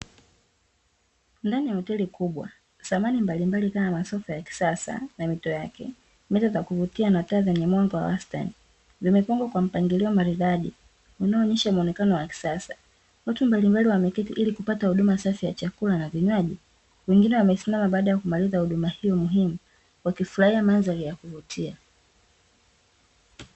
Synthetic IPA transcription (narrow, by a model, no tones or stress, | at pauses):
ndanijahɔtɛlikuɓwa̰ | samanimbalimbalikamamasɔfɔjaki̥sasa̰namitɔjakɛ̰ | mɛtazakuvutianataːzɛɲɛmwaŋɡɔwa̰wasta̰ni | vimɛpaŋɡwakwam̩paŋɡiliɔmaɾiðaʄi | unaɔɲɛʃamɔnɛkanɔwaki̥sasa | watumbalimbaliwamɛkɛtiʔilikupatahuɗumasafijat͡ʃakulanaviɲwaʄi | wɛŋɡinɛwamɛsimamaɓaːɗajakumalizahuɗumahijɔmuɦimu | wakifuɾaiamanzaɾijakuvutʰia